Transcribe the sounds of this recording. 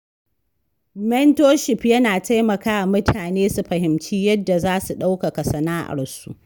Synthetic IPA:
mɛ˦ntoː˦ʃɪ˨pjɐ˦naː˨ta˦jmɐ˨kaː˦ʔa˨mʊ˦tʰaː˨neː˦su˨ɸɐ˨hɪ˨mt͡ʃiː˦jɐ˦dːa˨zaː˦su˨ɗa˦wka˨ka˨sɐ˨naː˦ʔa̰˨rsṵ˦ʔ

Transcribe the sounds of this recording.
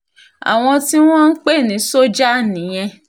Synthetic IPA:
a̰˨w̃ɔ̃˧ti˦w̃ɔ̃˦n̩˦k͡pe˦˨nĩ˨˦so˦d͡ʒa˦nĩ˨˦j̃ɛ̃˧

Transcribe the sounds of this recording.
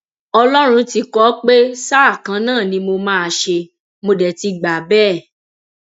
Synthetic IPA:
ɔ˧lɔ˦ɾ̃ũ˧ti˧kɔ˦k͡pe˦sa˦a˦˨kã˨˧˦nãː˦˨nĩ˧˦mo˧mã˦a˧˨ʃe˧ | mo˧dɛ˨ti˧ɡ͡ba˨bɛː˦˨

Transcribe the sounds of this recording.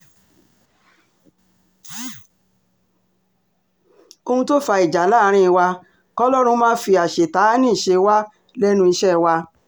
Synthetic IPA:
o˧hũ˧to˦fa˧i˨d͡ʒa˨˦la˦˨˧ɾ̃ĩ˦˧wa˧ | kɔ˦lɔ˦ɾ̃ũ˧mãː˦fi˧a˨ʃe˨ta˨˦nĩ˦˨ʃe˧wa˦ | lɛ˦nũ˧i˧ʃɛ˦wa˧

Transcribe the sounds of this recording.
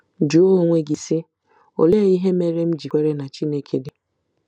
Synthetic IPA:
d͡ʒu˨˦o˦ŋʷe˦ɡi˨sɪ˦ | o̰˨le˦˨i˦ɦe˦me˦ɾe˦m̩˦d͡ʒi˨kʷe˦ɾe˦na˨t͡ʃi˦ne˦kʰe˨dɪ˨

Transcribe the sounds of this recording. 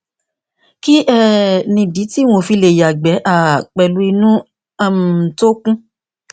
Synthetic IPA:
ki˦ʔɛ˦˨nĩ˧di˨˦ti˦w̃õ˧fi˧le˧˨ja˨ɡ͡bɛ˨˦ʔa˦˨k͡pɛ˨lu˨˦i˧nũ˦ | a˧˨m˨to˦kũ˦

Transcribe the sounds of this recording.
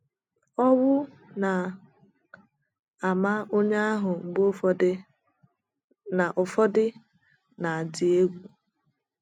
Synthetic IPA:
ɔ˦wʊ˦ | na˨ | a˨ma˦o˦ɲa˦a˦ɦʊ˨ŋ͡m̩˨ɡ͡bo˦ | na˨ʔʊ˨fɔ˦dɪ˦ | na˨a˨dɪ˨e˦ɡʷu˨

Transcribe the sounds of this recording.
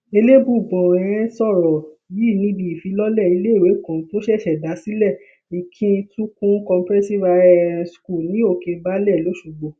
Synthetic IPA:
e˧le˦bu˦˨ɡ͡bɔ̃˨ɛ̃˨ɾ̃ɛ̃˦sɔ˦˨ɾɔ˨ji˦˨nĩ˨˦di˨i˨fi˨˧˦lɔ˦lɛ˦˨i˨˧˦le˦i˦˨we˨˦˨kã˨to˦ʃɛ˦˨ʃɛ˨da˨˦si˦lɛ˦˨ | ĩ˨kʰĩ˧˦˧tũ˦kũ˦kɔ̃˧m˦pɾɛ˦si˦˨va˧ɛsku˦˨nĩ˨˦o˦˨ke˧ba˦lɛ˦˨lo˨˦ʃu˦˨ɡ͡bɔ̃˨

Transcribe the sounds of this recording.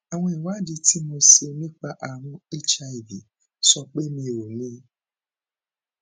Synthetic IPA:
a˨w̃ɔ̃˧˦i˨wa˦˨di˧ti˦mo˧se˧nĩ˦k͡pa˧ʔa˨ɾ̃ũ˧e˦t͡ʃa˧i˨bi˨ | sɔ˧k͡pe˦mĩ˧o˨nĩ˦

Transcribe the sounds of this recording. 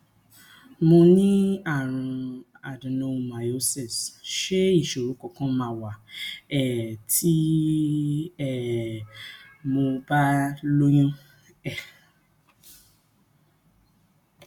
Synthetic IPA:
mo˧nĩ˦a˦˨ɾ̃ũ˧ | a˨dũ˨nõ˧mã˨jo˦sɛ˦˨sʃe˦i˦˨ʃo˨ɾũ˨˦kɔ˨kã˦mã˧˨wa˨ɛ˦˨tʰi˦ | ɛ˨ | mo˧ba˦lo˦j̃ũ˦ | ɛ˦˨

